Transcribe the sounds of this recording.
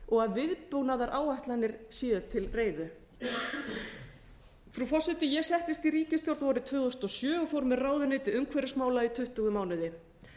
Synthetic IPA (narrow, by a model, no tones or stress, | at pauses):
ɔɣaðvɪðpownaðaɾʔaːwajht̪lanːɪɾ̥siːðʏt̪ʰɪlreːjðʏ | fɾufɔr̥sɪt̪ɪjɛɣsɛht̪ɪst̪iɾiːcɪst̪jowɾt̪vɔɾɪt̪ʰvʏːðɔst̪ɔsjœːɔfoːwɾmɛraːwðʏnɪːt̪ɪʏmkʰvɛɾɪsmaːwlait̪ʰʏht̪uɣʏmaːwnɪðɪ